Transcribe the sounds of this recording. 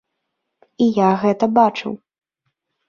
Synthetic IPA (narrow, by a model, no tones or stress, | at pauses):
ijaɣɛt̪ɐbat͡ʂɨ̰w